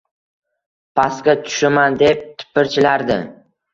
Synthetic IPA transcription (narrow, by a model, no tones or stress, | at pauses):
pʰaskʲat̪ʰʊ̥ʃamand̪e̞p̚t̪ʰɪ̥pʰːɪɾt͡ʃʰɪlaɾd̪ɪ